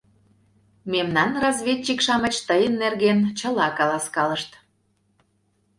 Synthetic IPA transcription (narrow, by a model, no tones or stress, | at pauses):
memnɑnrɑzβʲet̚ʲt͡ɕikʃɑmət͡ɕt̪əjənːerɣent͡ɕəlɑkɑlɑskɑləʃt̪